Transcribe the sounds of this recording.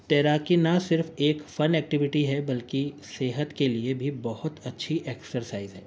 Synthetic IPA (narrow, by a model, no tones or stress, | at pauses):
t̪ɛːɾaːkinɐsɪɾfeːkfɐnɛːk̚ʈɪʋɪʈiɦɛbɐlkiseːɦət̪keliebʱibɐɦʊt̪ɐtːʃʰiʔeːksəɾsaːɪzɦɛː